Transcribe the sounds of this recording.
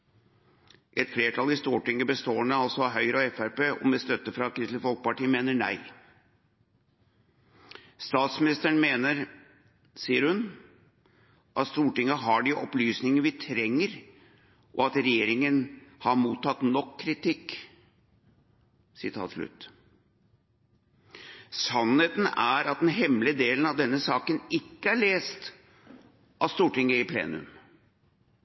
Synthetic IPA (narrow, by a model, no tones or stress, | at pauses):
ʔɛt̪fleːʈʰɑlɪst̪uːʈɪŋːəbəst̪oːəɳəɑlsɔɑɦœʏɾɔɛfæɾpeːɔmɛst̪œt̪ːəfɾɑkʰɾɪst̪əfɔlk̚pɑʈiːəmeːnəɳæ̰ɪ | st̪ɑːt̪smɪnɪst̪əɳmeːnəɾ | siːəɾhʉn | ʔɑt̪st̪uːʈɪŋːəɦɑɖɪʔɔplyːsnɪŋəʋɪt̪ʰɾɛŋːəɾ | ʔɔɑt̪ɾɛjeːɾɪŋənhɑɾmuːt̪ʰːɑt̪nɔkʰːɾɪt̪ʰɪkː | sɪt̪ʰɑ̰ːt̪ʂlʉ̰t̪ː | sɑnheːt̪n̩æɾɑt̪̚d̪ɛnɦɛmləd̪eːlənɑʋd̪ɛnːəsɑːkənɪkːəæɭeːst̪ | ʔɑst̪uːʈɪŋːəɪpʰlḛːnʉ̰m